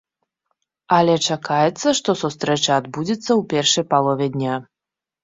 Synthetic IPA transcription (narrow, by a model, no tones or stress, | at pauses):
ɐlʲɛt͡ʂakajɛt̪sːɐʂt̪ɔsust̪ɾɛt͡ʂɐːd̪bud͡zʲit̪sːɐwpʲɛrʂɐjpalˠɔvʲɛd̪ʲnʲa